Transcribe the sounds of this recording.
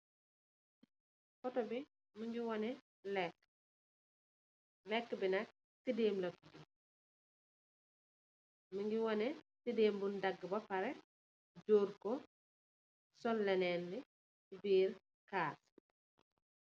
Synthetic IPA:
kɔtɔbi | muŋɡiwɔnɛ | lɛk | lɛkːbinɐk̚ | tideːmlɐkd͡ʒi | miŋɡiwɔnɛtideːmbundɐɡːbɐpɐɾɛ | d͡ʒoːɾkɔ | sɔlːɛnɛnli | biːɾ | kaːs

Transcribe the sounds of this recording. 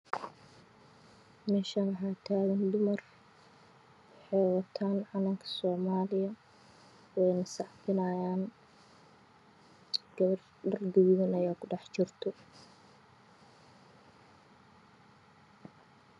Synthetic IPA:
mɛːʃɐwɐħaːt̪ʰaːɣɐnd̪ʊmɐr | wɑħɛjwɐt̪ʰaːnʕɑnɐŋkʰɐ̥sɔːmaːlɪjɐ | wɛjnɐsɑħfɪnaːjaːn | ɡ̥ɐβɐr | ɖɐrd̪ɪwðɐnɐjaːkʰʊɖɑħt͡ʃɪrt̪ʰɔ

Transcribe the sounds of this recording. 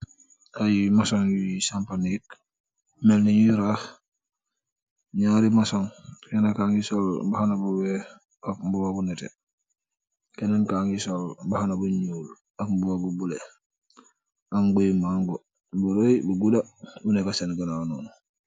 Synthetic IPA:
ajimasoŋwisampanik̚ | melniɲuɾah | ɲaɾimasoŋkenakaŋisolbahanabuwe | abuwabunetḛ | kenaŋkaːŋisolbahanabuɲul | akbuwabubule | aŋbojmaŋɡo | buɾojbuɡudaunekasenɡanano̰ːnu

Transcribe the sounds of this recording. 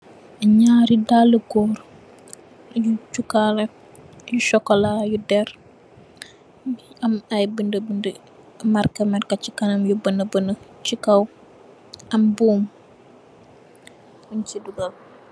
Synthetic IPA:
ɐɲaɾidaləɡɔɾ | jut͡ʃukalɐ | juʃɔkolajudɛɾ | amajbəndəbəndə | maɾkɐmaɾkat͡ʃikanɐmjubənəbənət͡ʃikaw | ɐmbuːm | uɲt͡ʃiduɡal

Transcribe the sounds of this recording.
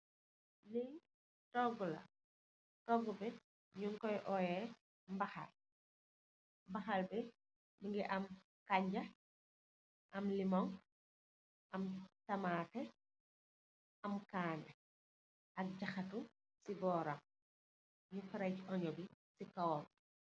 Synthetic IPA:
li | tɔɡulɐ̰ | tɔɡːubɛ | ɲuŋkɔjʔɔjɛ | mbɐxa̰l | mbɐxɐlbɛ | miŋɡɛʔɐm | kaɲɟɐ | ʔɐmlimɔŋ | ʔɐmsɐmaːtɛ | ɐmkaːnɛ | ɐk̚ɟɐxɐtu | sibɔːɾɐm | ɲufɐɾɐjcɔɲɔbisikawɔm

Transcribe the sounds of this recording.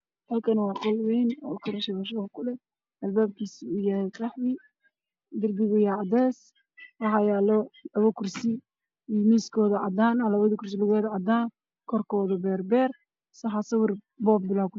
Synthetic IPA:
hɐlkʰɐnwɑːqɔlwɛjnɔ̰kʰɐɾɐʃɛwɐʃɐɣɐkʰʊlɛ | ʔɐlbaːb̚kʰiːsɪujɐhɛjkɾɑħwɪ | d̪ɪrbɪɣɪjaʕɑd̪ɛːs | wɑħɑjaːlɔlɐβɐkʰʊrsɪ | imiːskʰɔːðɐʕɑd̪aːnlɐβɐðɐkʊrs̬ɪlɐɣɛːðɐʕɑd̪aːn | kʰɔrkʰɔːðɐbɛːrbɛːr | sɐħɑsɐwɪr | bɔːbbɪlaːkʰʊ

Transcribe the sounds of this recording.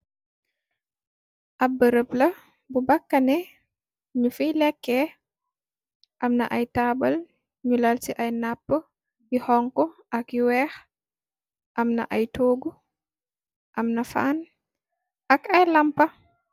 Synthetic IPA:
ʔɐbːəɾəplɐ | bubɐkːɐnɛ | ɲufilɛkːɛ | ʔɐmnɐʔɐjtaːbɐl | ɲulalsiʔɐjnapːə | jihɔŋkɔʔɐkiwɛːx | ʔɐmnɐ̰ʔɐjtoːɡu | ʔɐmnɐfa̰ːn | ʔɐkɐjlɐmpɐ

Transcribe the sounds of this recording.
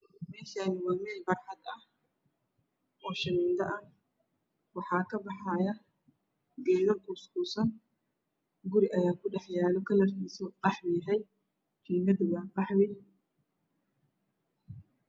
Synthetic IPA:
mɛːʃaːnɪwɑːmɛːlbɑɾħɑd̪ɐh | ʔɔːʃɐniːnd̪ɐʔɐn | wɑħɑːkʰɐbɑħɑːjɐ | ɡɛːðɐrkʊskuːsɐn | ɡʊɾɪʔɐjaːkʰʊɖɛħjaːlɔkʰɐlɐrkʰiːsɔqɑħwiɦɛj | kiːmɐd̪ɪɣaːqɑħwɪ

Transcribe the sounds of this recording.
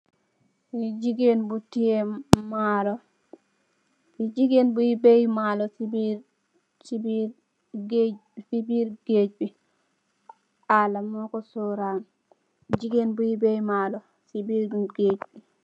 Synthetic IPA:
jid͡ʒiɡenbutijemalo | jid͡ʒiɡenbujibejmalɔsibiɾ | t͡ʃibi | ɡfibiɾɡed͡ʒbi | alamokosoɾan | d͡ʒiɡenbujibejmalo | sibiɾɡed͡ʒbi

